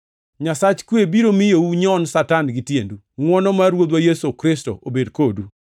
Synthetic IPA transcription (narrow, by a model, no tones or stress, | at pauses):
ɲasat͡ʃkwebiɾomɪjouɲɔnsatanɡɪtjḛndu | ŋwɔnɔmaɾwod̪wajesokɾɪsto̰ʔobedkodu